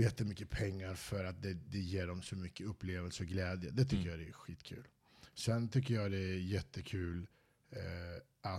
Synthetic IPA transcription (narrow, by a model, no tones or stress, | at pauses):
jɛt̪ːəmʏkːəpʰɛŋːaɾfœɾat̪̚d̪ɛd̪ɛjeːɖɔmsɔmʏkːəɵpːleːvəlsəɔɡlɛːd̪jə̰d̪ɛt̪ʰʏkkːəjɑd̪ɛæɧiːt̪kʰʉ̟ːl | sɛnt̪ʰʏk̬ːəjɑːd̪ɛæjɛt̪ʰːəkʰʉ̟ːl | ʔa